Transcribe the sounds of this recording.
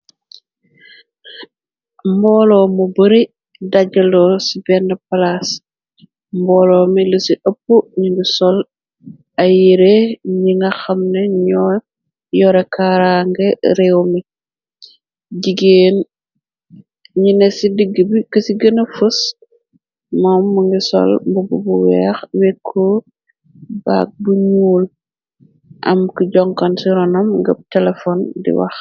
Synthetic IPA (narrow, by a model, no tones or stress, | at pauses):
mbɔːlɔmubəɾi | daɟɐlɔsibɛnːɐpɐlas | mbɔːlɔːmiləsiʔɐpːuɲidusɔl | ɐjiɾeɲiŋɡɐxɐmnɛɲɔ | jɔɾɛkaɾaŋɡɛɾɛwmi | ɟiɡeːn | ɲinɛsidiɡːəbikəsiɡənɐfus | mɔːmːuŋɡisɔ̰lmbububuwɛːxwɛkʰːɔ | ba̰ːk̚buɲuːl | ʔɐ̰mkiɟɔŋkɐnsiɾɔnɐmŋɡɐb̚tɛlɛfɔndḭwɐ̰x